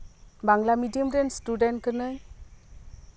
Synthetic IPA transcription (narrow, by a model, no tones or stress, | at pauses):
baŋlamidiəmɾenstudɛnkənəj